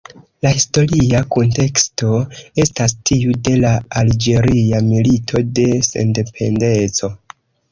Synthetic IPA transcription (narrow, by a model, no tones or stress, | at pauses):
lahisto̞ɾiakonte̞ksto̞e̞stastiude̞laald͡ʒe̞ɾiamilitʰo̞de̞se̞̰nde̞pʰe̞̰nde̞t͡so̞